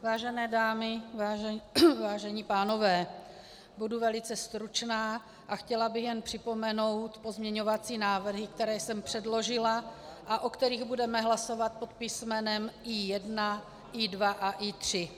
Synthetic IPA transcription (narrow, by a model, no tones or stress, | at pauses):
vaːʒɛnɛːdaːmɪvaːɛvaːʒɛɲiːpaːno̞vɛː | buduvɛlɪt͡sɛst̪ɾut͡ʃnaː | ʔaxcɛlabɪɣjɛnpr̝̥ɪpo̞mɛno̞wt̪pozmɲɛɲo̞vat͡siːnaːvr̩ɦɪkt̪ɛɾɛːjsɛmpr̥ɛdlo̞ʒɪlaʔaʔokt̪ɛɾiːɣbudɛmɛɦlaso̞vat̪̚pot̪̚pismɛnɛmʔiːjɛdna | ʔidvaʔaʔiːt̪r̝̥ɪ